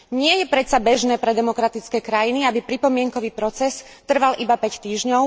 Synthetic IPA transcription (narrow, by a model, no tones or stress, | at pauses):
ɲɪɛjɛpɾɛt̪t͡sabɛʒnɛːpɾɛd̪ɛmɔkɾat̪it͡skɛːkɾajiniabipɾipɔmɪɛŋkɔʋiːpɾɔt͡sɛs | t̪r̩ʋalʔibapɛct̪iːʒɲɔʊ